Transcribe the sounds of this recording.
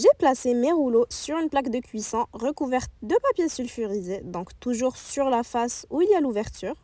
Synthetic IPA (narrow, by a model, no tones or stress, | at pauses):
ʒeplasemeʁulosyʁynplakd̪əkʰʲɥisɔ̃ʁəkuvɛʁt̪̚d̪əpapjesylfyʁized̪ɔ̃kt̪uʒuʁsyʁlafasuiljaluvɛʁt̪yːʁ